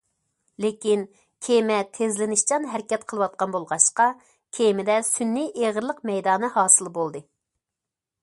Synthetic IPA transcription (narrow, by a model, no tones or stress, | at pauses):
lekʲin | kʲʰemɛt̪ʰezlɪnɪʃt͡ʃɑnɦɛɾkʲɛt̪qʰəlˠɨwɑt̪̚qɑnbolˠʁɑʃqɑ | kʲʰemɪd̪ɛsynːijʔeʁəɾlˠəqmɛjd̪ɑːnɨhɑːsɨlˠbolˠd̪ɨ